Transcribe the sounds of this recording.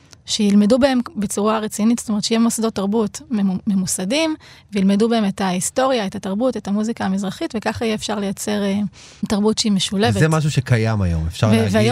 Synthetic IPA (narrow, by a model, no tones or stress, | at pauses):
ʃejilme̞dubahe̞mbe̞t͡suʁaʁet͡sinitstome̞ʁtʃejemosado̞tːaʁbutmememusadimvejilmedubaeme̞taisto̞ʁjae̞tataʁbute̞tamuzikaːmizʁaχitvekaχaijeːfʃaʁlejat͡se̞ʁe | taʁbutʃeimeʃulevvezemaʃ̬uʃekajama̰jo̰mefʃaveveajo